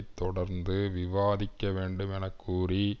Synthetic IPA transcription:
ɪt̪ːɔɽɐɾnd̪ɯʋɪʋaːðɪkːɐʋeːɳɖɯmɛnɐkːuːri

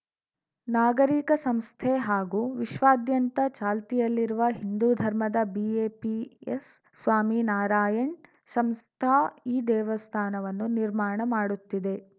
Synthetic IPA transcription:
naːɡɐɾiːkɐsɐmst̪ʰeɦaːɡuːʋiʃʋaːd̪jɐnt̪ɐt͡ʃaːlt̪ijɐlːiɾuʋɐɦind̪uːd̪ʱɐɾmɐd̪ɐbieːpiesːʋaːminaːɾaːjɐɳ | sɐmst̪ʰaːiːd̪ɛːʋɐst̪ʰaːnɐʋɐnːuniɾmaːɳɐmaːɽut̪ːid̪e̞

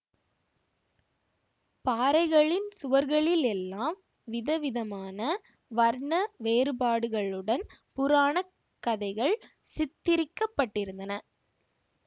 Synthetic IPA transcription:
paːɾɐɪɣɐɭɪnsʊʋɐɾɣɐɭɪlɛlːaːm | ʋɪðɐʋɪðɐmaːnɐ | ʋɐɾɳɐʋeːɾɯbaːɽɯɣɐɭɯɽɐnpʊɾaːɳɐ | kːɐðɐɪɣɐɭ | sɪt̪ːɪɾɪkːɐpːɐʈːɪɾɯnd̪ɐnɐ

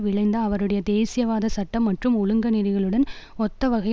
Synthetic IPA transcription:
ʋɪɭɐɪnd̪ɐːʋɐɾɯɽɐjɐd̪eːsɪjɐʋaːðɐsɐʈːɐmːɐʈrɯmʊlɯŋɡɐnɪɾɪɣɐɭɯɽɐnɔt̪ːɐʋɐɣɐj

